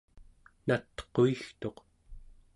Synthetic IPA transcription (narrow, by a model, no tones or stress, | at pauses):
nat̪qoixt̪o̞q